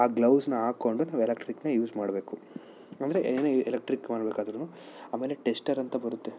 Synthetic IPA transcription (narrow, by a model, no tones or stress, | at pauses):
aːɡlɐwsnɐaːko̞ɳɖunaːʋuelekʈɾiknɐjuːd͡ʒmaːɽbe̞ːku | ɐnd̪ɐɾeʔeneelek̚ʈɾikmaːɽbeːkaːd̪ɐɾunu | aːmeːleʈesʈɐɾɐnt̪ɐbɐɾut̪ːe̞